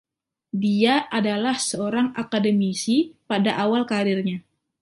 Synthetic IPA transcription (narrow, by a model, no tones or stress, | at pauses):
diaʔadalahsəoɾaŋakadəmisipadaʔawalkaɾirɲa